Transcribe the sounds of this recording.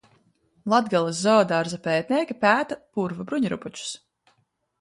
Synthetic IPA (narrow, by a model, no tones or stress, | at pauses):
lˠad̪ɡalˠasːɔːd̪aɾzapɛːt̪̚ʲnʲiɛkʲipæːt̪apuɾvabɾuɲɾṵput͡ʃu̥s